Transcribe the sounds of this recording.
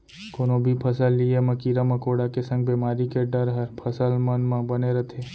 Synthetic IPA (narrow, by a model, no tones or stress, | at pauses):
kʊnõbʱipʰɐsəlːiemɐkiːɾamɐkoːɽakesɐ̃ŋɡbeːmaːɾikeɖɐɾɦəɾpʰɐsəlmɐnmãbɐneɾɐt̪ʰeː